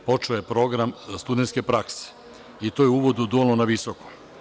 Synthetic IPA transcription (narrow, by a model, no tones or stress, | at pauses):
po̞t͡ʃeojepɾo̞ɡɾamst̪ud̪ent̪ke̞pɾakse̥ | it̪o̞jeuʋod̪ud̪olnonaʋisoko̥m